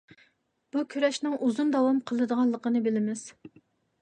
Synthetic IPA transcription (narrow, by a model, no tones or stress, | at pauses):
b̥ukʲʰyɾɛʃnɨŋʔuzund̪ɑwɑmqʰəlˠɨd̪əʁɑnlˠːəqənɨbɪlɪmɪz̥